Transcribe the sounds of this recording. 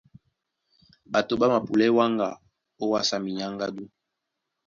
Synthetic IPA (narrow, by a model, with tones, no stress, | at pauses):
ba˨to˨ba˦ma˨pu˨lɛ˦wa˦ŋɡa̰˨ | o˦wa˦sa˦mi˨ɲa˦ŋɡa˦du˦